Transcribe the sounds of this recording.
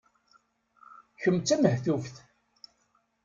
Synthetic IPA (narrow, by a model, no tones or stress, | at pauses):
çəmːt͡sːæməhθuvθ